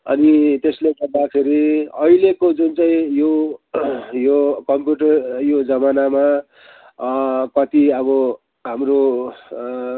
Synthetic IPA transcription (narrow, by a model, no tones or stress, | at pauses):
ʌ̰nit̪esleɡʌrd̪akʰeɾiʌilekod͡zunt͡sʌĩjo | jokʌmpjuʈʌrjod͡zʌmanama | kʌt̪iʌβʌ | ɦamro